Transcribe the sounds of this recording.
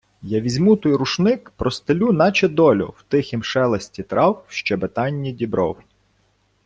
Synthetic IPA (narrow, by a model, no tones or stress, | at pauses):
jɑʋʲizʲmut̪ɔjɾuʃnɪkpɾɔst̪elʲunɑt͡ʃɛd̪ɔlʲʊ̰wt̪ɪxʲimʃɛlˠɐsʲtʲit̪ɾʔɑwʃt͡ʃɛbet̪ɑnʲːidʲibɾɔw